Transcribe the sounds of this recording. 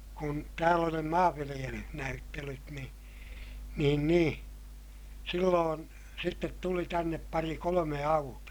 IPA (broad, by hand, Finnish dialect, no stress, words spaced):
kun tæːl oli ne mɑːʋːilij̆elyh næytːelyt ni niːn niː silːoːn sitːet tuli tænːep pɑri kolome ɑutuɑ